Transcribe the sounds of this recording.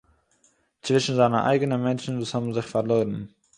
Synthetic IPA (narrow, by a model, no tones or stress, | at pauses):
t͡svɪʃn̩zaɪnəʔa̰ɪɡənəmɛnt͡ʃn̩vuːshɔbn̩zɪχfaɾloːɾən̩